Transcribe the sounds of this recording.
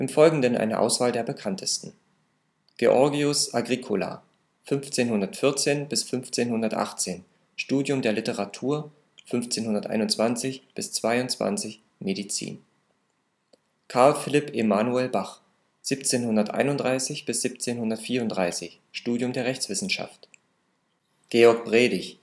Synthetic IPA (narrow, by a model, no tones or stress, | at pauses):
ʔɪmfɔlɡŋ̩dənʔa̰ɪnə̰ʔa̰ʊsv̥aːldeːɐbəkʰantʰəstn̩ | ɡ̥eʔɔɐɡiʊsʔaɡʁikʰola̰ː | fʏnft͡seːnhʊndɐtfɪɐt͡seːnbɪsfʏnft͡seːnhʊndɐtʔa̰χt͡seːn | ʃtuːdjʊmdeːɐlɪtəʁ̞atʰuːɐ | fʏnft͡seːnɦʊndɐtʔa̰ɪnʊnt͡sv̥ant͡sɪçb̥ɪst͡sv̥aɪʊnt͡sv̥a̰nt͡sɪç | medit͡sḭːn | kʰaɐlfɪlɪpʰʔemanuɛlbaχ | z̥iːp̚t͡seːnhʊndɐtʔa̰ɪnʊntd̥ʁaɪsɪçb̥ɪsz̥iːp̚t͡seːnhʊndɐtfiːɐʊntd̥ʁaɪsɪç | ʃtuːdjʊmdeːɐʁɛçt͡sv̥ɪsn̩ʃa̰ft | ɡ̥eːɔɐk̚b̥ʁ̥eːdɪç